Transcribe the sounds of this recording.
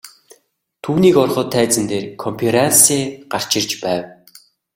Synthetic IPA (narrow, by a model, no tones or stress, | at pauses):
t̪ʰuːniːkɔrχɞ̆ːt̪ʰːæːt͡sɘ̆nt̪eːrkʰɔmpʰeɾansiːɢar̥t͡ɕɪ̆rt͡ɕpæːw